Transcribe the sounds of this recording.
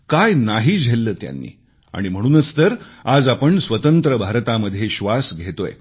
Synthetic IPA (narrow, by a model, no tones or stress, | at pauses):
kajnaɦiːd͡ʑʱelːəːt̪ja̰nːḭː | a̰ɽ̃im̤əɽ̃uːnət͡st̪əɾad͡zapəɳsʋət̪ənt̪ɾəbʱaɾt̪aməd̪ʱːjeɕʋasɡʱet̪oj